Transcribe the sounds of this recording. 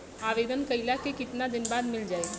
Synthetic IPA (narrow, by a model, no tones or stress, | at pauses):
aʋed̪ənkəilakekɪt̪nad̪ɪnbaːd̪mɪld͡ʒaːe